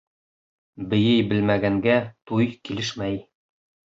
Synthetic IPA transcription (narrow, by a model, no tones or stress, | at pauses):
bɘ̆jɘjbɘ̆lmæɡæŋɡæt̪ujkilɘʃmæj